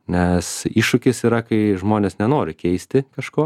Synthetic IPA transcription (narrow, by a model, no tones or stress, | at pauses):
nʲɛsiːʃʊkʲɪsiːɾɐkɐɪʒmoːnʲeːsnʲɛnoːɾʲɪkʲɛɪsʲt̪ʲɪkɐʃkoː